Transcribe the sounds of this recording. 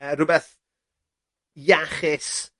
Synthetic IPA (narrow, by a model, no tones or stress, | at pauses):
əɾʊbɛθ | jaχɪs